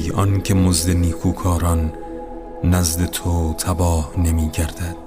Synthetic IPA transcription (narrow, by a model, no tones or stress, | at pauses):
jɒncʰe̞mozd̪eniːkʰuːkʰɒːɾɒnː | æzd̪et̪ʰot̪ʰæbɒːhne̞miːɡæɾd̪̥æd̪̥